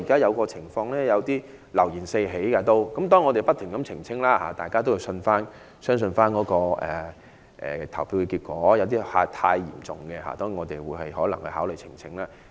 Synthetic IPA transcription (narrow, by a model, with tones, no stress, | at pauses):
i˨kaː˥jɐ˨˧wkɔː˧t͡sʰɪ˨˩ŋfɔː˧ŋlɛː˥jɐ˨˧wt̪iː˥ | lɐ˨˩wjiː˨˩nse˧jɦe˨˥jkaː˧t̪o˥wkɐ˨˥mt̪̬ɔː˥ŋːɔː˨˧t̪e˨jpɐ˥t̚t̪ʰɪ˨˩ŋkɐ˨˦˥mt͡sʰɪ˨˩ŋt͡sʰɪ˥ŋlaː˥ha̰ː˧˩t̪aː˨jkaː˥t̪o˥wji˧wsɵ˧nfaː˥n | sœː˥ŋsɵ˧nfaː˥nkɔː˨˧˥kɔː˧ʔɛ̰˨ | ʔɛ̰ː˨˩t̪ʰɐ˨˩wpiː˧wkɛː˧kiː˧t̚kʷɔː˨˥jɐ˨˧wt̪̬iː˥ha̰ː˧t̪ʰaː˧jːḭː˨˩mt͡sʊ̰˨ŋɡɛ˧ɦa̰ː˨˧t̪ɔː˥ŋi˨˧ŋɔː˨˧t̪e˨jwuː˨˧˥jhɐ˨jhɔː˨˥lɐ˨˩ŋhɐ̰˨˧ɦaː˨˥wlɵ˨jt͡sʰɪ˨˩ŋt͡sʰɪ˨˥ŋlaː˥